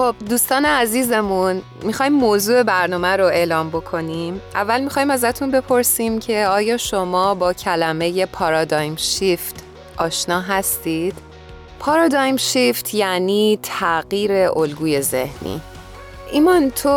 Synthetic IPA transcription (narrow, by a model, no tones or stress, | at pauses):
xob̥̚d̪uːst̪ɒːneæziːze̞mun | mixɒːjimːozuːe̞bæɾnɒːmæɾoe̞ːlɒːmbo̞kʰo̞nimʔævːælmixɒːjimæzæt̪ʰunbe̞pʰo̞ɾsiːmcʰe̞ɒːjɒːʃo̞mɒːbɒːcʰælæme̞je̞pʰɒːɾɒːd̪ɒjmʃift̪ʰ | ʔɒːʃnɒːɦæst̪iːd̪̥ | pʰɒːɾɒd̪ɒːjmʃift̪ʰjæniːt̪ʰæɣ̥iːɾe̞ʔolɡuːje̞ze̞̰hnḭː | ʔimɒnt̪ʰo